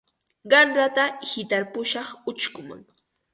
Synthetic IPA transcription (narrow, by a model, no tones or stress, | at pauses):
ɢɑnɾat̪ahɪt̪aɾpʊʃɑχʊt͡ʃkʊmʊ̰ŋ